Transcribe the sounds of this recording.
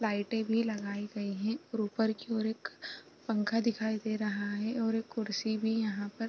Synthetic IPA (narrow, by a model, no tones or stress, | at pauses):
laːɪʈẽbʱilɐɡaːiɡɐiɦɛ̃ɾuːpəɾkiɔːɾeːk | pɐ̃ŋkʰad̪ɪkʰaːid̪eːɾɐɦaɦɛɔːɾeːkːʊɾsibʱijɐɦãpɐɾ